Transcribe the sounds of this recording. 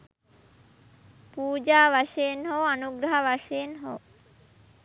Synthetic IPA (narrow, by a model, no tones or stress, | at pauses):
puːd͡ʑaːʋaʃejnɦowanuɡɾaɦaʋaʃenɦow